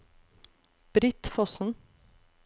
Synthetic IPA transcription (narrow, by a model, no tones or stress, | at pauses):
b̥ɾɪt̪fɔsn̩